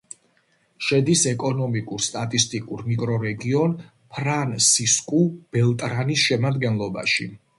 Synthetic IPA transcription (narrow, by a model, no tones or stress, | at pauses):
ʃɛd̪isɛkʼɔnɔmikʼuɾst̪ʼat̪ʼist̪ʼikʼuɾmikʼɾɔɾɛɡiɔn | pʰɾansiskʼub̥ɛlˠt̪ʼɾanisʃɛmad̪ɡɛnlˠɔba̰ʃi